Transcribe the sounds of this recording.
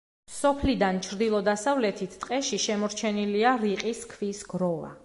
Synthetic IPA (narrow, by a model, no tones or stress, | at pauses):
sɔpʰlid̪ant͡ʃʰɾd̪ilˠɔd̪asavlɛt̪ʰit̪ʰt̪ʼqʼɛʃiʃɛmɔɾt͡ʃʰɛniliaɾiqʼiskʰvisɡɾɔva̰